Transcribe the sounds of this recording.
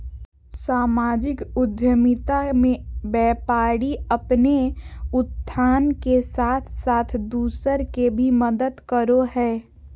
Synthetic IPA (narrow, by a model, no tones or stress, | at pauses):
saːmaːd͡ʒɪkʊd̪ʱjəmɪt̪amẽbɛːpaːɽiəpneʊt̪ʰːaːnkesaːt̪ʰsaːt̪ʰd̪uːsəɾkebʱiməd̪əd̪kəɾoɦɛː